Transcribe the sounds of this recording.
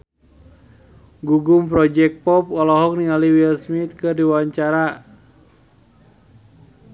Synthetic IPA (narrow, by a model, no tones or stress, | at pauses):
ɡuɡumpɾɔd͡ʒɛk̚pɔp̚ɔlɔɦɔk̚niŋaliwilsmit̪̚kɨrdiwaɲt͡ʃaɾa